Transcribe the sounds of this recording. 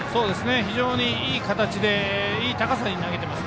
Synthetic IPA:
so̞ːd̪e̞sɨne̞çiʑo̞ːɲ̟iiːkat̪at͡ɕid̪e̞iːt̪akasaɲ̟inaɡe̞t̪e̞masɨ̥

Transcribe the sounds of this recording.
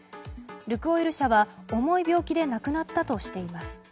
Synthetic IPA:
ɾɯ̟kɯ̟o̞iɾɯ̟ɕaβao̞mo̞ibʲo̞ːkʲid̪e̞nakɯ̟nat̪ːat̪o̞ɕi̥t̪e̞imasɨ̥

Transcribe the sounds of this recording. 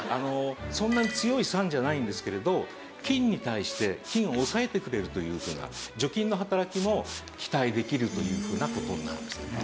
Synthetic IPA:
ano̞sõ̞nːaɲ̟it͡sɨjo̞isãɲ̟d͡ʑanaĩnd̪e̞sɨ̥ke̞ɾe̞d̪o̞ | kʲĩɲ̟ːit̪aiɕi̥t̪e̞kʲĩɰ̃oːsae̞t̪e̞kɯ̟ɾe̞ɾɯ̟t̪o̞jɯ̟ːɸɯ̟ːna̰d͡ʑo̞kʲĩnːoɦat̪aɾakʲimo̞ | kʲi̥t̪aid̪e̞kʲiɾɯ̟t̪o̞jɯ̟ːɸɯ̟ːnako̞t̪o̞ɲ̟inaɾɯ̰̃nd̪esɨ̥n

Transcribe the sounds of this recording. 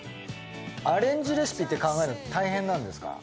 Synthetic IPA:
aɾẽ̞ɲ̟d͡ʑiɾesɨ̥pʲit̪ːe̞kãŋɡaeɾot̪aiɦẽnːãnd̪e̞sɨ̥ka̰

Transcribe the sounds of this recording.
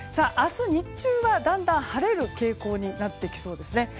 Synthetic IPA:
saːʔasɨɲ̟it͡ɕɨːβad̪ãnd̪ãɰ̃haɾe̞ɾɯ̟ke̞ːko̞ːɲ̟inat̪ːe̞kʲi̥so̞ːd̪e̞sɨne̞

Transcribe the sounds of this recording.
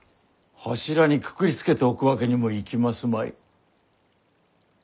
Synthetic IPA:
haɕiɾaɲ̟ikɯ̥kɯ̟ɾʲit͡sɨ̥ke̞t̪e̞okɯ̟βake̞ɲ̟imo̞ikʲimasɨmaḭ

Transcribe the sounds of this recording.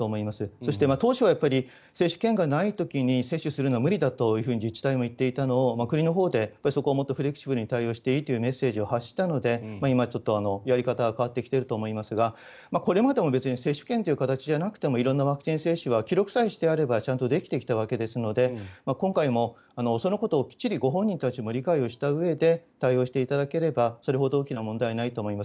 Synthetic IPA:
t̪oːmo̞imasɨso̞ɕi̥t̪e̞mat̪o̞ːɕiβajapːaɾʲi | se̞ːɕɨ̥kẽ̞ŋɡanait̪o̞kʲiɲ̟ise̞ɕːɨsɨɾɯ̟noamɯ̟ɾʲid̪at̪o̞jɯ̟ɸɯ̟ːɲ̟id͡ʑit͡ɕi̥t̪aimo̞it̪ːe̞it̪ano̞ːmakɯ̟ɲ̟inoɦo̞ːd̪e̞japːaɾiso̞ko̞ːmo̞t̪ːoɸɯ̟ɾʲe̞kɯ̟̥ɕibɯ̟ɾɯ̟ɲ̟it̪aijo̞ːɕi̥t̪e̞it̪ːojɯ̟me̞sːe̞ːʑio̞haɕːi̥t̪ano̞d̪e̞maimat͡ɕo̞t̪ːo̞ano̞jaɾʲikat̪aɡakaβ̞at̪ːe̞kʲi̥t̪e̞ɾɯ̟t̪o̞ːmo̞imasɨɡa | mako̞ɾe̞mad̪e̞mo̞be̞t͡sɨɲ̟ise̞ːɕːɨ̥ke̞nt̪e̞iɯ̟kat̪at͡ɕiʑanakɯ̟̥e̞mo̞iɾõ̞nːaβakɯ̟̥t͡ɕĩse̞ːɕɨβakʲiɾo̞kɯ̟̥saiɕi̥t̪e̞aɾe̞bat͡ɕãnt̪o̞d̪e̞kʲi̥t̪e̞kʲi̥t̪aβ̞ake̞d̪e̞sɨno̞d̪e̞makõŋkaimo̞ | ano̞so̞no̞ko̞t̪o̞ːkʲi̥t͡ɕːiɾʲiɡo̞ɦõ̞ɲ̟ːĩnt̪at͡ɕimo̞ɾʲikaio̞ɕi̥t̪aɯ̟e̞d̪e̞t̪aio̞ːɕi̥t̪e̞it̪ad̪ake̞ɾe̞baso̞ɾe̞ɦo̞d̪o̞oːkʲinamõ̞nd̪ainait̪o̞ːmo̞imas

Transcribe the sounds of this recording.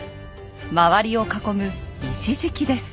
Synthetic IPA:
maβaɾʲio̞kako̞mɯ̟iɕiʑɨkʲid̪e̞sɨ̥

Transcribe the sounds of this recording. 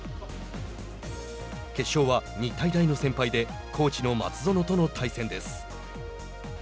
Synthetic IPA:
ke̞ɕːo̞ːβaɲ̟it̪aid̪aino̞sẽ̞mpaid̪e̞ | kʰo̞ːt͡ɕino̞ma̰t͡sɨzo̞no̞t̪o̞no̞t̪ʰaisẽ̞nd̪e̞sɨ̥

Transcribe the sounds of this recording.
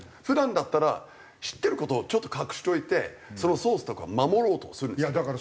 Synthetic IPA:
ɸɯ̟d̪ãnd̪at̪ːaɾa̰ | ɕi̥t̪ːe̞ɾɯ̟ko̞t̪o̞ːt͡ɕo̞t̪ːokakɯ̟̥ɕi̥t̪o̞it̪e̞̰so̞no̞soːsɨ̥t̪okɯ̟βa̰mamo̞ɾo̞ːt̪osɨɾɯ̟nd̪akaɾ

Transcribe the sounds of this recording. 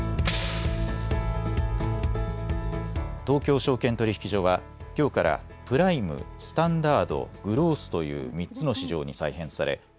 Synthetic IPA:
t̪o̞ːkʲo̞ːɕo̞ːkẽnt̪o̞ɾʲiçi̥kʲiʑo̞ːβa | kʲo̞ːkaɾa̰ | pɯ̟ɾaimɯ̟̰sɨ̥t̪ãnd̪aːd̪o̞̰ɡ̥ɯ̟ɾo̞ːsɨ̥t̪o̞jɯ̟̰ːmʲitt͡sɨno̞ɕiʑo̞ːɲisaiɦẽ̞saɾe̞̰

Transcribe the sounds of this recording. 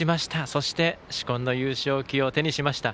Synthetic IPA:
imaɕi̥t̪aso̞ɕi̥t̪e̞ɕi̥kõ̞nːo̞jɨːɕo̞ːkʲio̞t̪e̞ɲ̟iɕimaɕi̥t̪a

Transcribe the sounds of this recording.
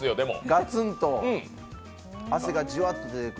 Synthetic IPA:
ɨjod̪e̞mo̰ɡat͡sɨ̃nt̪o̞ | ase̞ɡad͡ʑioat̪ːad̪k

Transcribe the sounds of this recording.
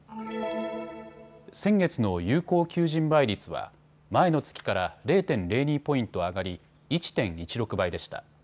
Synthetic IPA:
sẽ̞ŋɡe̞t͡sɨno̞jɯːko̞ːkʲɨːʑĩmbaiɾʲit͡sɨβa̰ | mae̞no̞t͡sɨ̥kʲi̥kaɾaɾe̞ːt̪ẽ̞nɾe̞ːɲ̟iːpo̞ĩnt̪o̞aɡaɾʲi | it͡ɕi̥t̪ẽ̞ɰ̃it͡ɕiɾo̞kɯ̟baid̪e̞ɕi̥t̪a̰

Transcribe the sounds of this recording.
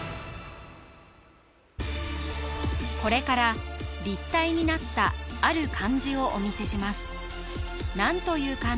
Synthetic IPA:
ko̞ɾe̞kaɾaɾʲit̪ːaiɲ̟inat̪ːa̰ːɾɯ̟kʰãɲ̟d͡ʑio̞ʔomʲise̞ɕimasɨ̥ | nãnt̪o̞jɯ̟ːkã

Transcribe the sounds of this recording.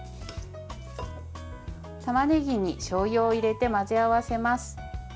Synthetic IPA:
t̪amaneɡʲiɲ̟iɕoːjo̞ːiɾe̞t̪e̞mazɨaβase̞masɨ̥

